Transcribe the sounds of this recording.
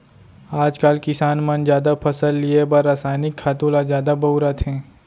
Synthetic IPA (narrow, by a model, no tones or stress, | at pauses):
aːd͡ʒkaːlkɪsaːnmɐnd͡ʒjaːd̪apʰɐsəlːiebəɾaːsaːjnɪkʰːaːt̪ũlazjaːd̪abɐʊɾat̪ɦɛ̃ː